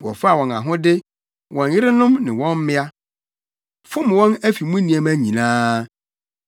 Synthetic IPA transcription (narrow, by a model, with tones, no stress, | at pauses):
wɔ̰˨fa˦a˨wɔ̃˨nã̰˨ɦʊ̃˦dɪ˦ | wʔɔ̃˨njɪ˦ɾɪ˦nʊ̃˦mnɪ̃˨wɔ̃˦m˦mɪ̃˦a˦ | fʊ̃˦m˨wɔ̃˦næ˦fi˨mũ˦nĩ˨ɛ˦mæ˦ɲĩ˨nãː˦